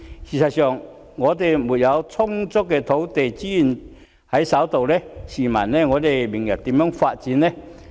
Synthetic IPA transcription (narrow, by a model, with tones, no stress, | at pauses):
ɕi˨˩sʰa˨t̚ɕœ˨˩ŋː | ŋɔː˨˧t̪e˨jmu˨˩nja˨˧wt͡sʰʊ˥ŋt͡sʊ˥k̚kːɛ˧t̪ʰo˨˥wt̪e˨˩jt͡ɕi˦˥ji˨˩n | ha˨˥jsa˨˥wt̪o˨wlɛ˥˧ɕi˨˩ma̰˨˩nnɛ˧ŋɔ˨˧t̪e˨˩jmi˨˩ŋja˨˩t̚t̪i˨˦mjœ˧˥ŋfa˧t̚t͡ɕi˨˧˦nːɛ˧